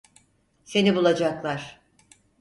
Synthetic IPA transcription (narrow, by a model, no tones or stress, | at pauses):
se̞nibulˠad͡ʒaklˠaɾ̥